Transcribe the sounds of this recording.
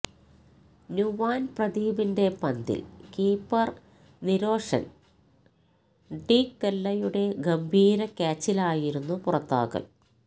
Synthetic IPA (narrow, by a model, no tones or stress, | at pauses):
njuʋaːnprɐd̪iːbinde̞pɐnd̪ḭlkiːpːɐr | niɾo̞ːʂɐ̰n | ɖiːkt̪elːɐjuɽe̞ɡɐmbʱiːɾɐkʲaːt͡ɕːilaːjiɾunːupurɐt̪ːa̰ːɣɐ̰l